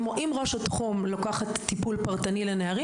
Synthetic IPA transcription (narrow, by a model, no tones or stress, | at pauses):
moʔimʁo̞ʃatχumlokaχatːipulpaʁtanileneaʁi